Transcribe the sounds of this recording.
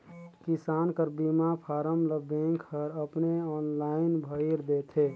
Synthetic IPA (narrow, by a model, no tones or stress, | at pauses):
kisaːnkəɾbimapʰaːɾəmləbẽŋkhəɾəpneɔːnlaɪnbʱəiɾd̪et̪ʰe